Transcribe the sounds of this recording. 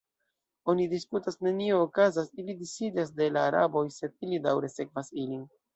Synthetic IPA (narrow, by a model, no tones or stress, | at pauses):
o̞nidiskutasne̞nie̞okazasilidisidas̬de̞laːɾa̰bo̞jse̞d̚ilidawɾe̞se̞kvasilin